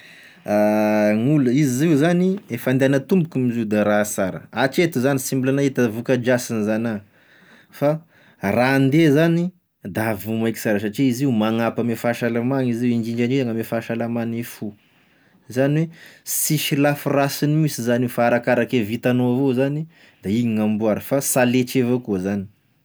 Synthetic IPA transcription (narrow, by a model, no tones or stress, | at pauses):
aŋuləiziziuzaniefand̪eanət̪umbukumiziud̪aɾasaɾə̰at͡ʃet̪uzanisimbulanaet̪əvukəd͡ʒasinizana | fa | rand̪ezani | d̪avumajki̥saɾaʃat͡ʃeiziumaŋapəmefaʃalamaŋiziwinɡiɳd͡ʒaniaŋamefaʃalamanefu | zaniwesiʃilafurasinimisizanfaːɾakaɾakevit̪anoavozani | d̪̥aiɲiŋambuaɾəfasaleʈ͡ʂevokuəzani̥